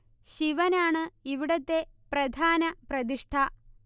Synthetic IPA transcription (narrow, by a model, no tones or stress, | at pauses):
ɕiʋɐnaːɳɨiʋiɽɐt̪ːeprɐd̪ʱaːnɐprɐd̪iʂʈʰɐ